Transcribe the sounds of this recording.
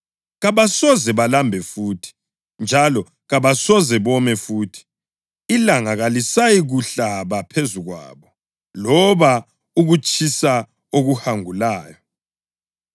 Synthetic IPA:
ɣaβasɔzɛβalambʱɛfuːtʰi̥ | nd͡ʒʱalɔ | ɣaβasɔzɛβɔmɛfuːtʰi̥ː | laŋaɣalisajiɣuɬaβapʰezuɣwa̰ːβɔ | lɔβa | uɣut͡ʃʼʰisa | oɣuhaŋulaːjɔ

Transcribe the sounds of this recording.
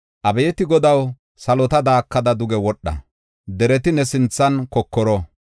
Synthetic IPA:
ʔɐbɛjɛt̪ɪɡɔd̪ɐw | sɐlɔt̪ɐd̪aːkːɐd̪ɐd̪ʊɡɛwɔɗːɐ̰ | d̪ɛɾɛt̪ɪnɛsɪnt͡sːɐnkɔkːɔɾɔ

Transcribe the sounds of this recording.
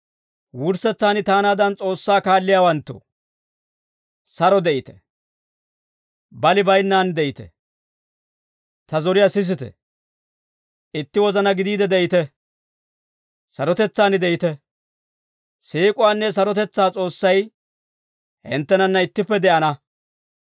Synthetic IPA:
wʊɾsɛt͡sːaːnɪt̪aːnaːd̪ɐnt͡sʼo̞ːsːaːkaːlːɪjaːwɐnt̪ːo̰ | sɐɾɔd̪ɛʔɪt̪ɛ̥ | bɐlɪbɐjnːaːnd̪ɛʔɪt̪ɛ̰ | t̪ɐzɔɾɪjasɪs̬ɪt̪ɛ̰ | ʔɪt̪ːɪwɔzɐnɐɡɪd̪iːd̪ɛd̪ɛʔɪt̪ɛ | sɐɾɔt̪ɛt͡sːaːnɪd̪ɛʔɪt̪ɛ | seːkʼʊwaːnːɛs̬ɐɾɔt̪ɛt͡sːaːt͡sʼo̞ːsːɐj | hɪ̰nt̪ːɛnɐnːɐɪt̪ːɪpːɛd̪ɛʔɐnɐ

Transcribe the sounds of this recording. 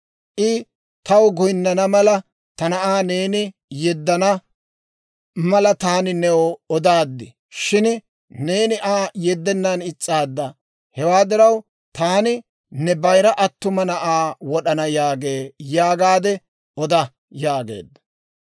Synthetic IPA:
ʔɪ | t̪ɐwɡʊjɪnːɐnɐmɐlɐ | t̪ɐnɐʔaːne̞ːnɪ | jɛd̪ːɐnɐ | mɐlɐt̪aːnɪnɛwɔɔd̪aːd̪ːɪ | ʃɪn | ne̞ːnɪʔaːjɛd̪ːɛnːanɪt͡sʼːaːd̪ːɐ | hɛwaːd̪ɪɾɐw | t̪aːnɪ | nɛbɐjɾɐʔɐt̪ːʊmɐnɐʔaːwɔɗɐnɐjaːɡe̞ːjaːɡaːd̪ɛ | ɔd̪ɐ | jaːɡḛːd̪ːɐ̥

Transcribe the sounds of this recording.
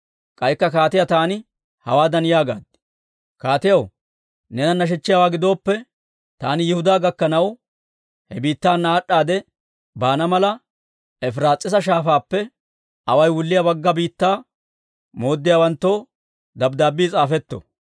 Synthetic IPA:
kʼɐjkːɐkaːt̪ɪjat̪aːnɪ | hɐ̰waːd̪ɐnɪjaːɡa̰ːd̪̚ | kaːt̪ɪjɐw | nɛnɐnːɐʃ̬ɛt͡ʃːɪjaːwaːɡɪd̪o̞ːpːɛ | t̪aːnɪjɛhʊd̪aːɡɐkːɐnɐw | hɛbiːt̪ːaːnːaːɗːaːd̪ɛ | baːnɐmɐlɐ | ɛfɾaːt͡sʼːɪs̬ɐʃaːfaːpːɛ | ʔɐwɐjwʊlːɪjɐbɐɡːɐbiːt̪ːaː | mo̞ːd̪ːɪjaːwɐnt̪ːoː | d̪ɐbd̪aːbːiːt͡sʼaːfɛt̪ːɔ̰

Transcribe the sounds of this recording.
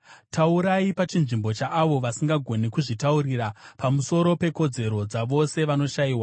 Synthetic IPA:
tauɾaipat͡ʃinʐimbo̞t͡ʃaʔːʋo̞ʋasiŋɡaɡʱo̞nekuʐitauɾiɾapamuso̞ɾo̞pe̞ko̞d͡ze̞ɾo̞d͡zaʋo̞se̞ʋano̞ʃaiːwa

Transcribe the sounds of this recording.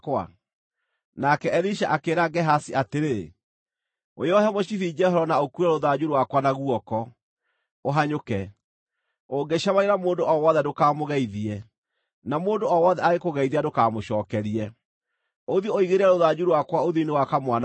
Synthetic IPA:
kwa̰ | nakɛɛɾiʃaʔakeɾaɡɛɦasiateɾe | o̰jɔhɛmoɕiθid͡ʒɛɦɔɾɔnaokuɾaɾoðad͡ʑuɾwakwanaɣuɔkɔ | oɦaɲokɛ | oŋɡeʃamaɾeɾamoːndoʔɔwɔːðɛdokaːmoɣɛiðiɛ | namoːndoɔwɔðɛaɣekoɣɛiðiadokaːmoʃɔːkɛɾiɛ | oðiooiɣeɾeɛɾoðad͡ʑuɾwakwaoðiinewakamwan

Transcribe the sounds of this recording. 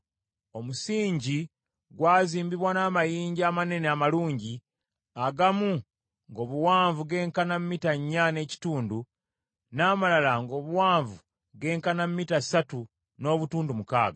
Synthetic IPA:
o̞musiːɲɟi | ɡwaːziːmbiβwanaːmajiːɲɟaːmane̞neamaluːɲɟi | aɡamu | ŋɡo̞ːβuwaːɱvuɡe̞ːŋkanammːitaɲːane̞ːci̥tuːndu | naːmalalaŋɡo̞ːβuwaːɱvu | ɡe̞ːŋkanammːitasatu | no̞ːβutuːndumuka̰ːɡa

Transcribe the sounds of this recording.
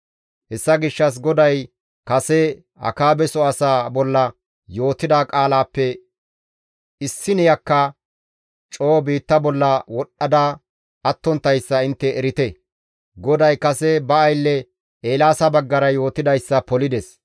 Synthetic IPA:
hɛsːɐɡɪʃːɐs̬ɡɔd̪ɐj | kɐsɛ | ɐ̰kaːbɛsɔɐsaːbɔlːɐ | jo̞ːt̪ːɪd̪aːkʼaːlaːpːɛ | ɪsːɪnɪjɐkːɐ | t͡ʃʼo̞ːbiːt̪ːɐbɔlːɐwɔɗːɐd̪aː | ɐt̪ːɔnt̪ːɐjsːɐɪnt̪ːɛːɾɪt̪ɛ | ɡɔd̪ɐjkɐsɛbɐːjlːɛ | eːlaːsɐbɐɡːɐɾɐjo̞ːt̪ɪd̪ɐjsːɐpɔlɪd̪ɛs

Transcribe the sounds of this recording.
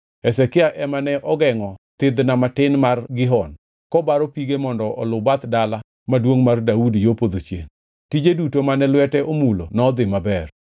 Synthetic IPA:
ɛsɛkɪaʔɛmanɛʔɔɡɛŋɔt̪ɪd̪namatɪnmarɡɪɦɔn | kɔbaɾɔpiɡemɔndɔʔɔlʊbat̪dala | madwoŋmardaudjopod̪ot͡ʃjḛŋ | tid͡ʒedutomanɛlwɛtɛʔomulo̰nɔːd̪ɪmabɛr

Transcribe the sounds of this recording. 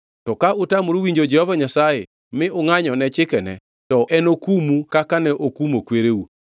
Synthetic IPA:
tɔkaʔʊtamuɾowiɲd͡ʒod͡ʒɛhɔvaɲasaje | mɪʊŋaɲɔnɛt͡ʃɪkɛnɛ̰ | tɔʔɛnokumukakanɛʔokumokweɾeu

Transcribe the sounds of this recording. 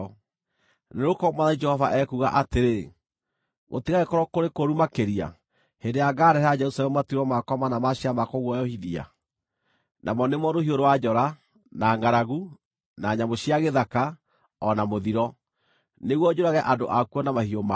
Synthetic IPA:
neɾokɔmaðaid͡ʒɛhɔvaʔɛkuɣa̰ʔateɾe | mo̰tiɣaɣekɔɾɔkoɾekoɾumakeɾia̰ | hendeaɡaːɾɛɾad͡ʒɛɾusalɛmmatiɾɔmakɔmanamaɕiamakɔɣwɔjɔhiðia̰ | nʔa̰mɔnemwɔɾohioɾowad͡ʒɔɾa | naːŋɡaɾaɣu | naːɲamoɕiaɣeðaka | ɔnamoðiɾɔ | neɣwɔd͡ʑoɾaɣɛʔadoʔakuɔnamahioma

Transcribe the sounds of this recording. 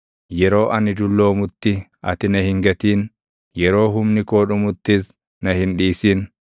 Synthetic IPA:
jɛɾo̞ːʔɐnɪd̪ʊlːo̞ːmʊt̪ːɪʔɐ̰t̪ɪnɐhɪŋɡɐt̪iːn | jɛɾo̞ːɦʊmnɪko̞ːᶑʊmʊt̪ːɪs | nɐhɪnᶑiːsiːn

